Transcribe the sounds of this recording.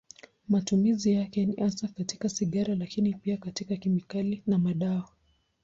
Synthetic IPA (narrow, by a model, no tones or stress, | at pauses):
matumizijakɛniʔansakatikasiɠaɾalakinipiakatikakimikalinamaɗawa